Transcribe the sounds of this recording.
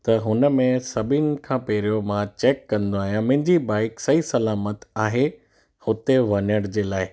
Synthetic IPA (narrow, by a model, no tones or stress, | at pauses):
t̪ɐɦʊnə̆mẽsɐbʱɪn̆kʰãːpeːɾijomãt͡ɕeːkːɐ̃nd̪oaːɦijãmɐ̃ɦɪ̃ɲd͡ʑibaːɪksɐisɐlaːmət̪aːɦe | hʊt̪eʋɐɲəɽ̃d͡ʑeːlaːɪ